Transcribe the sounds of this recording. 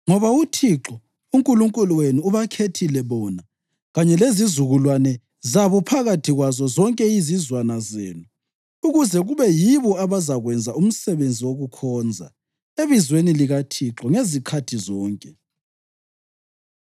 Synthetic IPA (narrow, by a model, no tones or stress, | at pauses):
ŋɔβautʰiǁɔ | uŋkʼuluŋkʼuluwenuuβakʰetʰilɛβɔna | ɣaɲɛlezizuɣulwanɛ | zaβɔpʰaɣatʰiɣwazɔzɔŋkʼɛizizwanazḛːnu | uɣuzɛɣuβɛjiβɔaβazaɣwɛnd͡zʱaum̩sɛβend͡zʱiwoɣukʰɔːnd͡zʱa̰ | eβizweniliɣatʰiǁɔŋezikʰatʰizɔːŋkʼɛ